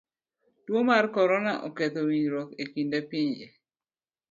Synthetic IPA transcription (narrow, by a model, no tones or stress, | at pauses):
dwomarkɔɾɔnaʔɔket̪owiɲɾɔt̪ekindepiɲd͡ʒe